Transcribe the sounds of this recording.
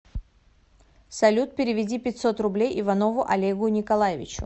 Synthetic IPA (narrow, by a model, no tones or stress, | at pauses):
sɐlʲut̪̚pʲɪɾʲɪvʲɪdʲipʲɪtʲso̞t̪rʊblʲejʔɪvɐno̞vʊʔɐlʲeɡʊnʲɪkɐlˠajɪvʲɪ̰t͡ɕʊ̰